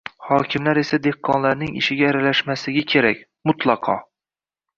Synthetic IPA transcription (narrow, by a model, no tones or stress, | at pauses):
hɒːkʲʰɪmlaɾe̞sad̪ehqʰːɒnlaɾnɪŋɪ̰ʃɪɡʲaːɾalaʃmasɪɡʲakʲʰe̞ɾakʲ | mʊt̪ʰlˠɑqʰɒ̰